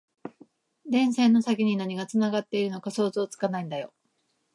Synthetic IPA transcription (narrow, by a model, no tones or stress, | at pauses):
d̪ẽ̞ɰ̃sẽ̞nːo̞sakʲiɲ̟inaɲ̟iɡat͡sɨnaɡat̪ːe̞iɾɯ̟no̞kaso̞ːzo̞ːt͡sɨ̥kanaĩnd̪ajo̞